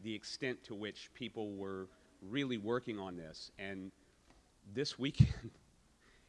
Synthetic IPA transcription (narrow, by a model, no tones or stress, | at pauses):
ðiɨkstɛ̃ntʰəwɪt͡ʃpʰipl̩ˠwə˞ | ɹɪlˠiwɜ˞kɪ̃ŋə̃nðɪsɨ̃n | ðɪswikʰɛ̃nd̥